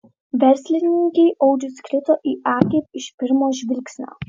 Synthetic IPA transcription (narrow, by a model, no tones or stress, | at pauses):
ʋʲɛɾʲsʲlʲɪnʲɪŋʲkʲɛɪʔɔʊd͡ʒʲʊsʲkɾʲɪt̪oːʔiːʔɑːkʲeɪpɪʃpʲɪɾmoːʒʲʋʲɪlʲksʲnʲo̰ː